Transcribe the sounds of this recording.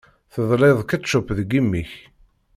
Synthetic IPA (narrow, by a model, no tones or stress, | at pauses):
θəðˤleðˤkæʃʊpːðɡimːiç